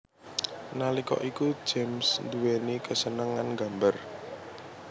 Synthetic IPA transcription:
nalikɔ̰ʔiku̥d͡ʒemsnd̪uwenikəsənəŋanɡa̤mbər

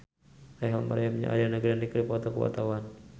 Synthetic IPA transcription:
ajɦama̰ɾaamɲa̰ʔa̰danaɡɾiandikɾipɔt̪okəwa̰t̪awan

